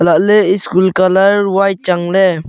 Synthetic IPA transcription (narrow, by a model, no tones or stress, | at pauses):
alaʔlɛiskulkalaɾwaj̚t͡ʃaŋlɛ